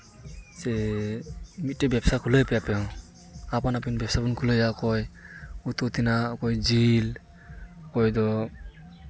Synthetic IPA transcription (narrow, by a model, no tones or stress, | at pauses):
sɛ | mitːɛbjapsakʰulɔjpɛjapɛw̃ | apanapinibɛpsabunkʰulɔjakɔjut̪ɔt̪inakɔjzil | kɔjdɔ